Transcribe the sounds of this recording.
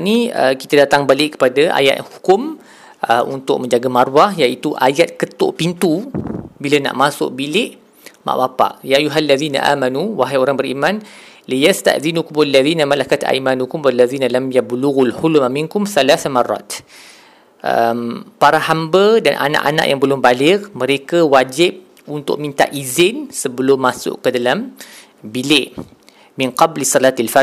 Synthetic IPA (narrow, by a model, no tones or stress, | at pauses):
niə̰kit̪adat̪aŋbalɪʔkːə̥padaʔa̰ja̰t̪hu̥kʊm | ʔəʔunt̪ʊʔ̚mə̃ɲd͡ʒaɡamaɾwahjait̪uʔajat̪̚kət̪ʊ̰ʔpint̪ubiləna̰ʔmasʊ̰ʔ̚bilɪʔ | ma̰ʔwapa̰ʔjaʔajuɦalːaðiːna̰ʔa̰ːmanuwaɦajoɾaŋbəɾimãnlijast̪a̰ʔðinukʊmalːaðiːnamalakat̪a̰jmanukʊmwalːaðiːnalamjabluɣulhʊlmamɪŋkʊmθalaθamarˤːɑ̰t̪ | ʔə̰mpaɾahambədanʔa̰na̰ʔa̰na̰ʔja̰ŋbəlʊmbalɪkmə̃ɾekawad͡ʒɪb̚ | unt̪ʊ̰ʔmĩnt̪a̰ʔizɪnsəbəlʊmːasʊ̰ʔkədalam | bilɪʔ | mɪnqɑblisˤɑlaːt̪alfa